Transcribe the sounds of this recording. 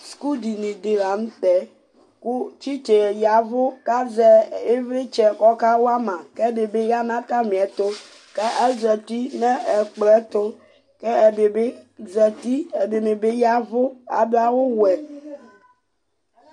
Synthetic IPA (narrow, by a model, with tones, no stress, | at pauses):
sku˦di˨ni˨de˨ɾa˨n̩˦tɛ˨ | kʊ˦t͡ʃi˦t͡ʃe˨ja˨vʊ˦ka˦zɛ˨e˦vi˦t͡ʃɛ˨kɔ˦ka˦wa˦mã˨kɛ˦be˨be˦ja˦nã˦ta˦mĩ˨ɛ˨t̪ʊ˦ | kɛ˦ʔɛ˦zɛ˨ti˦nɛ˦ɛ˨k͡plɛ˦tʊ˦ | kɛ˦ɛ˨be˨be˦zɛ˨ti˦ɛ˨be˨me˨be˦ja˦vʊ˦a̰˨dʊ˦a˦wʊ˦wɛ˨